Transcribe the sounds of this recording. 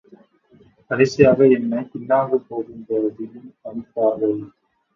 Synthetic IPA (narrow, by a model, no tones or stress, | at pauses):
kɐɾɐɪsɪjaːɣɐɛnːɐkɪnːaːɣɯpoːɣɪndɐðɪlɯmɐɳɪpːaːɣɐl